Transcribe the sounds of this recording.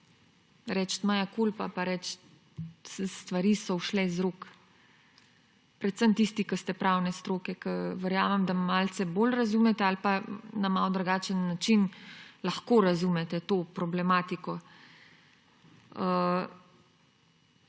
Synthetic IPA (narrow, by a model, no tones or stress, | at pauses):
ɾɛt͡ʃt̪majakulpapaɾɛt͡ʃt̪ | sst̪ʋaɾiːsɔwʃlɛzɾok | pɾɛt̪səmt̪ist̪ikəst̪ɛpɾawnɛst̪ɾoːkɛkəʋɛɾjaːmɛmd̪amaːlsɛbolɾazumɛt̪ɛalpanamalwd̪ɾaɡaːt͡ʃənːat͡ʃinlaxkoɾazumɛt̪ɛt̪oːpɾɔblɛmaːt̪ikɔ | ə